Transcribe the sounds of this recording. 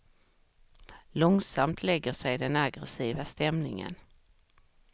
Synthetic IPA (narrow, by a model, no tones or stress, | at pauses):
lɔŋsamt̪ʰlɛɡːəʂɛjd̪ɛnaɡɾɛsiːvast̪ɛmnɪ̰ŋə̰n